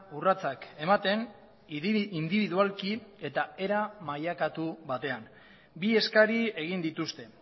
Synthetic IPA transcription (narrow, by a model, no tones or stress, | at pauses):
urat͡sake̞mat̪e̞n | ind̪iβiðualkie̞t̪ae̞ɾamajakat̪uβat̪e̞an | bie̞skaɾie̞ɣind̪it̪ust̪e̞